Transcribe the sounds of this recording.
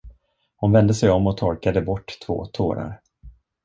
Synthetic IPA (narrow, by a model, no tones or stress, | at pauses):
hʊnvɛnd̪əsɛjɔmːɔt̪ʰɔɾkad̪əbɔʈːt̪ʰv̥o̰ːt̪ʰo̰ːɾa̰ɾ